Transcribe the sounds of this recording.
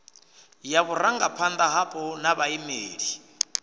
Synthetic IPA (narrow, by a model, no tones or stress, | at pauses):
jaβuɾaŋɡapʰand̪aɦapʼɔnaβaimeːɺi